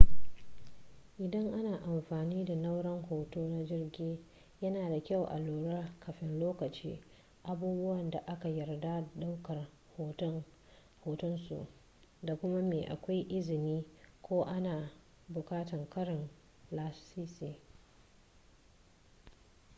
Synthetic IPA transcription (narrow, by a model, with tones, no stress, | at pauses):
ʔɪ˨dɐ˦ŋʔa˦naː˨ʔa˨mɸaː˨niː˦da˨na˦wɽɐ˦ŋhoː˨toː˦na˦d͡ʒɪ˦rɡʲiː˦ | jɐ˦naː˨da˨kʲa˦˨wʔa̰˨loː˨ɽa˦kɐ˨ɸɪ˦nloː˦kɐ˨t͡ʃiː˦ | ʔa˨buː˦bʊ˦wɐ˨nda˨ʔa˦ka˨jɐ˨rda˦da˦wkɐ˨r | hoː˨tɐ˦ | hoː˨tʊ˦nsṵ˨ʔ | da˨kʷʊ˦ma˦meː˨ʔa̰˨kʷa˦jʔɪ˦zɪ˨niː˦kʷoː˦ʔa˦naː˨ | bʊ˨kaː˦tɐ˨ŋkɐ˦ɽɪ˨n | laː˦siː˦siː˦